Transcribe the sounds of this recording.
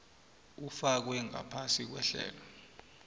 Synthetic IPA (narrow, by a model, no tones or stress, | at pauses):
ufak̬wɛŋa̰pʰasik̬wɛ̰ɬɛ̰ːlɔ